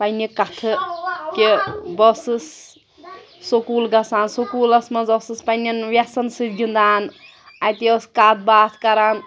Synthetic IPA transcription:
pɐjnikɐt̪ʰɨkebɔsɨs | sokuːlɡɐsaːnsokuːlɐsmɐzɔsɨspɐjnɐnʋjasɐnsɨd̪ɡind̪aːn | at̪iɔskat̪̚baːt̪ʰkɐɾan

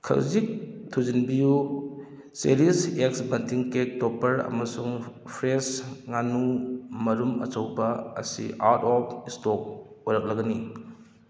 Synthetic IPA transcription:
kʰɐ̰wzik̚tʰuzinbiju | seɾiseksbɐntʰiŋkek̚tɔpɐɾɐ̰mɐsuŋpʰɾesŋanumɐɾumɐ̰t͡ʃɐwbɐ̰ːsḭaɾtɔpʰistɔk̚ojɾɐk̚lɐɡɐni

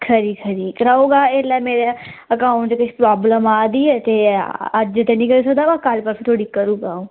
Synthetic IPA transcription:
kʰəɾiːkʰəɾiːkɾaoːɡaːelɛːmeːɾeəkãːd͡ʒekɪt͡ʃʰpɾaːbləmaːd̪iːɛːt̪eːəd͡ʒd͡ʒɪt̪eːnĩːkəɾiːs̬əkd̪aːbakaːlpəɾfʰiːt̪ʰoːɽiːkəɾuːɡãː

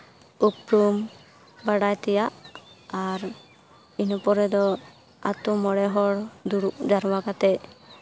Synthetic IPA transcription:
upɾum | baɽajt̪ɛjaʔaɾ | inpɔɾɛd̪ɔ | a̰t̪umɔɽɛɦɔɽd̪uɾuʔd͡ʒaɾwaɡat̪ɛ

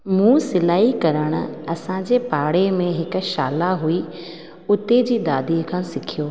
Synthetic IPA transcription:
mũːsɪlaːikɐɾəɽ̃ʊ̰̆ɐsãd͡ʑeːpaːɽemẽɦɪkʊ̆ʃaːlaɦui | ʊt̪ed͡ʑiːd̪aːd̪ikʰãːsɪkʰijoː

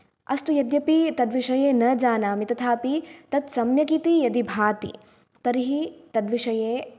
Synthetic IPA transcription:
ɐ̰st̪ujɐd̪jɐpit̪ɐd̪ʋiʃɐjeːnɐd͡ʒaːnaːmit̪ɐt̪ʰaːpit̪ɐt̪sɐmjɐkit̪ijɐd̪ibʱaːt̪ḭ | t̪ɐɾiɦit̪ɐd̪ʋiʂɐjeː

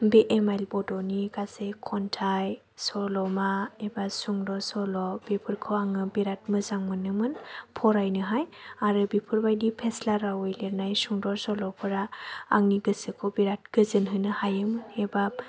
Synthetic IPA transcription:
biʔemajlbɔdɔniɡasekʰɔntʰaj | sɔlɔmaebasuŋdɔsɔlɔbipʰɯɾkʰɔaŋɯbiɾat̚mɯzaŋmɯnːɯmɯnpʰɔɾajnɯɦajaɾɯbipʰɯɾbajdipʰeslaɾawɯjleɾnajsuŋdɔsɔlɔpʰɯɾaːŋniɡɯsɯkʰɔbiɾat̚ɡɯzɯnɦɯnɯhajɯmɯnebap̚

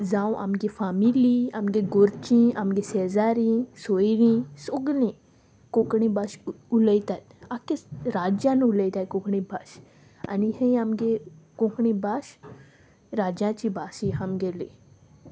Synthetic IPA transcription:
zãw̃ʔa̰mɡefaːmiliamɡeɡoɾt͡ʃĩamɡesezaːɾĩsoiɾĩsoɡlĩ | kokɳĩbaʃuləit̪at̪akeɾaːd͡ʒãnuləjt̪akõkɳibaʃ | ɐ̰nihə̃jamɡekõkɳĩbaːʃ | ɾaːd͡ʒãt͡ʃibaːsiɦamɡeli

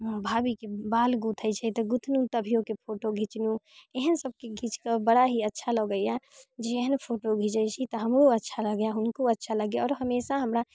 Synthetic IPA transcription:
bʱaːbikebaːlɡut̪ʰəjt͡ʃʰɛt̪ɔɡut̪ʰnũt̪əbʱijõkepʰoʈoɡʱit͡ʃnũeɦənsəb̚keɡʱit͡ʃkabəɽaɦiətːʃʰalɔɡəjad͡ʒeeɦənpʰoʈoɡʱit͡ʃəjt͡ʃʰit̪ɔɦəmɾoətːʃʰaləɡjaɦʊnkoətːʃʰaləɡjeɔːɾɦəmesaɦəmɾa

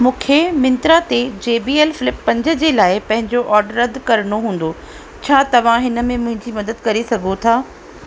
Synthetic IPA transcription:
mũːkʰemɪ̃nt̪ɾat̪ed͡ʑeːbiːeːlfɪlɪpːɐ̃ɲd͡ʑə̆d͡ʑeːlaːɪpɐ̃ɦɪ̃ɲd͡ʑoʔɔːɾɖəɾɐd̪ʱkɐɾəɽ̃oɦũːn̆d̪o | t͡ɕʰaːt̪ɐʋ̤ãɦɪnə̆mẽmʊ̃ɦɪ̃ɲd͡ʑimɐd̪əd̪kɐɾesɐɡʱot̪ʰaː

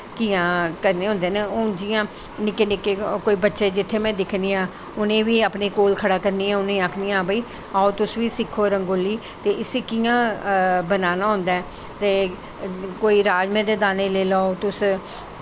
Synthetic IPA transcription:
kiːãːkəɾneːɦʊ̃nd̪eːneoːd͡ʒijãː | nɪkeːnɪkeːkoːiːbətːʃeːd͡ʒɪt̪ʰːeːmɛ̃ːd̪ɪkʰniːãː | ʊnẽːʋiːaːpneːkoːlkʰəɽaːkəɾniːɛ̃ːʊnẽːaːkʰnijãːbəiː | aːot̪ʊsʋiːsɪkʰːoːɾəŋɡoːlːiː | t̪eːʔɪsikijãːbənaːnaːɦʊ̃nd̪aːɛː | t̪eː | koːiːɾaːd͡ʒmẽːd̪eːd̪aːneːleːlaːot̪ʊs

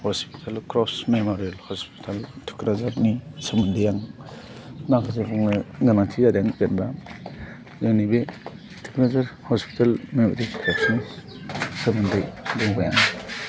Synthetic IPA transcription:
hɔspi̥tʰalkɾɔsmemoɾielhɔspi̥tʰaltʰu̥kɾazaɾnisəmundɯjaŋ | naŋkʰasebɔŋlaɡanatʰiadjaŋzenba | zanibe | tʰu̥kɾazaɾhɔspi̥tʰalmemoɾikʰɾɔsni | səmundɯjduŋbajaŋ

